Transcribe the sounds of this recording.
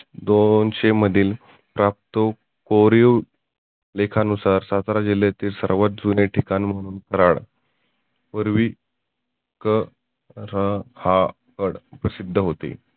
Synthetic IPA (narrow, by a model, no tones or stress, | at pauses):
d̪onɕem̤əd̪ʱiːl | pɾap̚t̪o | koɾiu | lekʰanusaɾsat̪ɾad͡ʑiljat̪iːlsəɾʋat̪̚d͡zuneʈʰikanim̤əɽ̃uːnkəɾaɽ | pəɾʋi | kə | ɾəha | kəɽpɾəsid̪ʱːəɦot̪ḭ